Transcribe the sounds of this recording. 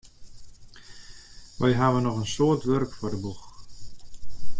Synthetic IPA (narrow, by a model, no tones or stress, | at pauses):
ʋʔɛjɦaːʋənɔχənsoːərtʋørkfʊrdəbux